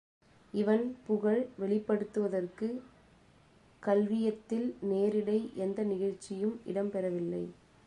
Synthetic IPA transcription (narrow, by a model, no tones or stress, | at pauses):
ɪʋɐnpʊɣɐɭʋɛɭɪpːɐɽɯt̪ːɯʋɐðɐrkɯ | kɐlʋɪjɐt̪ːɪlneːɾɪɽɐɪʔɛnd̪ɐnɪɣɐɻt͡ʃːɪjɯmʔɪ̰ɽɐmpɛɾɐʋɪlːɐɪ